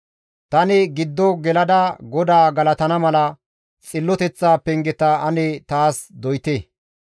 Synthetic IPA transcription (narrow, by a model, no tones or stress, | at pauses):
t̪ɐnɪɡɪd̪ːɔɡɛlɐd̪ɐɡɔd̪aːɡɐlɐt̪ɐnɐmɐlɐ | t͡sʼɪlːɔt̪ɛt͡sːaːpɛŋɡɛt̪ɐɐnet̪aːsd̪ɔjt̪eː